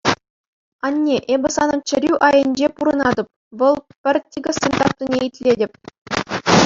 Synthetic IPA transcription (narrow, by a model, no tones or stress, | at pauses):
ɑnʲːeʔebʲɘ̆sɑnɤ̆nt͡ɕɘ̆ɾʲyʔɑjɤ̆nʲd͡ʑepuɾɤ̆nɑd̪ɤ̆p̚ | ʋɤ̆lˠpʲɘ̆rʲtʲiɡɤ̆sʲenʲt̪ɑk̚t̪ʲunʲeitʲlʲedʲɘ̆pʲ